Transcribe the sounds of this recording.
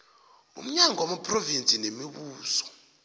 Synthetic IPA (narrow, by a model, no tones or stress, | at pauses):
ṵm̩ɲaŋɔwamapʰʼrovint͡sʼinemiɓuːsɔ̥